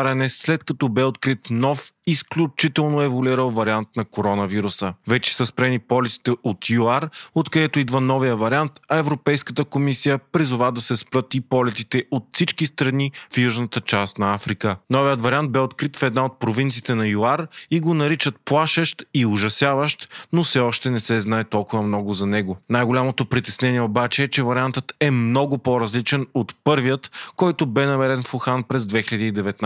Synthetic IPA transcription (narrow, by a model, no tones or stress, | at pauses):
ɾɛnɛslɛt̪̚kɐt̪ɔbɛot̪kɾit̪nɔfisklʲut͡ʃit̪ɛlˠnoɛvoliɾəlˠvɐɾiant̪nɐkoɾɔnɐviɾusəvɛt͡ʃɛ̥səspɾɛnipɔlɛt̪i̥t̪ɛʔot̪juaɾot̪kɐd̪ɛt̪oid̪vənɔvijəvɐɾiant̪ɐɛvɾopɛjskət̪əkomisijəpɾizʊvad̪ɐsɛspɾət̪ipɔlɛt̪it̪ɛot̪fsit͡ʃkist̪ɾɐnifjuʒnət̪ət͡ʃast̪nɐafɾikənɔvijət̪vɐɾiant̪̚bɛot̪kɾit̪fɛd̪naot̪̚pɾovint̪sit̪ɛnɐjuaɾiɡonɐɾit͡ʃət̪̚plˠaʃəʃt̪iʊʒɐsjavəʃt̪nofsɛɔʃt̪ɛnɛsɛznaɛt̪ɔlˠkʊvɐmnɔɡʊzɐnɛɡʊnajɡolʲamot̪opɾit̪ɛsnɛniɛobat͡ʃɛːt͡ʃɛvɐɾʲiant̪ət̪ɛmnɔɡʊpɔɾɐzlit͡ʃɛnot̪pɤɾvijət̪kɔjt̪ʊbɛnɐmɛɾɛnfʊxanpɾɛzd̪vɛxiləd̪iːd̪ɛvɛt̪n